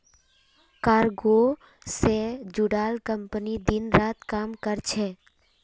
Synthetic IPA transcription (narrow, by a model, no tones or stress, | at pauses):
kaːɾɡo | sed͡ʒʊɽaːlkəmpənid̪ɪnɾaːt̪kaːmkəɾt͡ʃʰɛː